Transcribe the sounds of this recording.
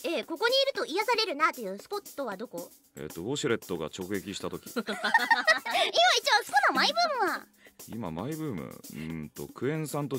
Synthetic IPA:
eːko̞ko̞ɲ̟iːɾɯ̟t̪o̞ijasaɾe̞ɾɯ̟nat̪ojɯ̟ːsɨ̥ko̞t̪ːo̞βad̪o̞ko̞ | e̞̰t̪ːo̞boːɕiɾe̞t̪ːo̞ɡa̰t͡ɕo̞kɯ̟ɡe̞kʲiɕi̥t̪at̪o̞kʲi̥ | imait͡ɕiβasɨ̥konamaibɯ̟ːmɯ̟βa | ḭma̰maibɯ̟ːmɯ̰ɯ̃t̪o̞̰kɯ̟ẽ̞ɰ̃sãnt̪o

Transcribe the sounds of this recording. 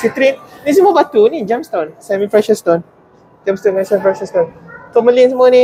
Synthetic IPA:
sit̪ɾinnĩs̬əmabat̪unid͡ʒamst̪onsɛmifɾɛʃəst̪on | d͡ʒamst̪ɔnasɛmifɾɛʃəst̪onkɔməlinsəmuanĩ

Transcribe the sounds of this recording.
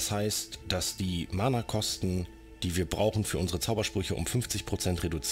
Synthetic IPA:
shaɪstd̥asd̥iːmanakʰɔstn̩ | d̥iːviːɐbʁaʊxn̩fyːɐʊnzəʁət͡saʊbɐʃpʁ̥ʏçəʔʊ̰mfʏnft͡sɪçpʁ̥ot͡sɛntʁ̥edut͡s

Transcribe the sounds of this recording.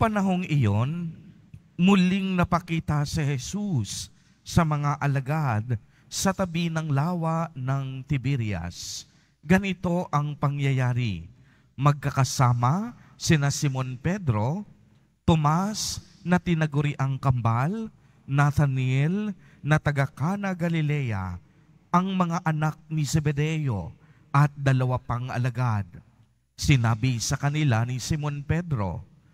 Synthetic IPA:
pɐnɐɦo̞ŋɪjon | mʊliŋnɐpɐkiːt̪ɐsɛhɛsusː | ɐmɐŋaʔɐlɐɡad̪̚ | sɐt̪ɐbinɐŋlaːwaʔnɐŋt̪ɪbiɾjɐ̰s | ɡɐnɪt̪o̞ʔɐŋpɐŋjɐjaːɾɪ̰ | mɐɡ̚kɐkɐsaːmɐsɪnasɪmo̞npɛd̪ɾo̞ | t̪omas | nɐt̪ɪnɐɡʊɾiʔaŋkɐmbal | nɐt̪ɐnɛl | nɐt̪ɐɡakanɐɡɐlɪlɛja̰ | ʔɐŋmɐŋaʔɐnak̚nisɛbɛd̪ɛjo̞̰ | ʔɐt̪̚d̪ɐlɐwapɐŋʔɐ̰lɐɡad̪̚ | sɪnaːbɪsɐkɐnɪlanisɪmo̞npɛd̪ɾo̞̰

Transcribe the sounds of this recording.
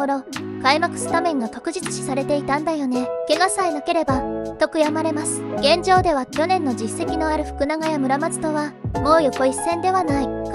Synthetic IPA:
oɾokaimakɯ̟̥sɨ̥t̪amẽ̞ŋɡat̪o̞kɯ̟ʑit͡sɨ̥ɕi̥saɾe̞t̪e̞it̪ãnd̪ajo̞ne̞ke̞ɡasaenake̞ɾe̞bat̪o̞kɯ̟jamaɾe̞masɨ̥ɡ̥ẽ̞ɲ̟d͡ʑo̞ːd̪e̞βakʲo̞nẽ̞nːo̞d͡ʑisːe̞kʲino̞aɾɯ̟ɸɯ̟̥kɯ̟naɡajamɯ̟ɾamazɨ̥t̪o̞βamo̞ːjokoisːẽ̞nd̪e̞β̞anaik

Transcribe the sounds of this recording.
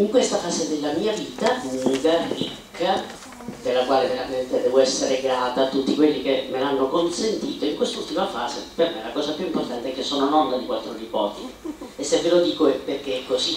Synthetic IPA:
iŋkwest̪afaːzed̪elːamiːaviːt̪auŋːɡarikʰːa | d̪elːakwaːleveɾament̪ed̪ɛːvoɛsːeɾeɡɾaːt̪at̪ːut̪ːikwelːik̟emːelanːokonsent̪iːt̪oiŋkwest̪ault̪imafaːzepermelakɔːsapjuimport̪ant̪eɛkːesːɔːnonɔnd̪ad̪ikwalt̪ːɾonipɔ̰ːt̪iesːevːelod̪iːkoɛpːerk̟ekːosi

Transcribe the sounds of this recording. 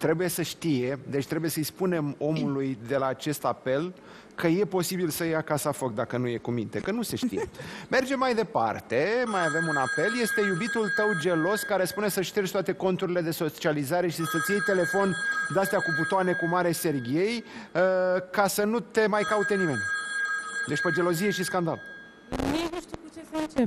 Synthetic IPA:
t̪ɾe̞buje̞səʃt̪ije̞d̪e̞t͡ʃʲt̪ɾe̞buje̞səispune̞mo̞mulujd̪e̞laːt͡ʃe̞st̪ape̞l | kʰəje̞po̞sibilsəjakasafo̞k̚d̪akənuje̞kumint̪e̞kənuse̞ʃt̪ḭjḛme̞rd͡ʒemːajd̪e̞pa̰rt̪e̞majave̞munape̞lje̞st̪e̞jubit̪ult̪əwd͡ʒe̞lo̞skaɾe̞spune̞səʃt̪ert͡ʃʲt̪oat̪e̞ko̞nt̪uɾile̞d̪e̞so̞t͡ʃializaɾe̞ʃisunst̪et̪sijejt̪e̞le̞fo̞nd̪east̪eakuput̪oane̞kumaɾese̞rɡʲie̞jəkasənut̪e̞majkaut̪e̞nimenʲ | d̪e̞t͡ʃʲpod͡ʒe̞lo̞zie̞ʃiskand̪a̰l | t͡ʃea

